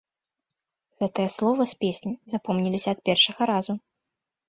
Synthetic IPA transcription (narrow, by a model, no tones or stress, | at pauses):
ɣɛt̪ɨjɛslˠɔvɐsʲpʲesʲnʲizapɔmnʲilʲisʲɐɐt̪pʲɛrʂɐɣɐɾazu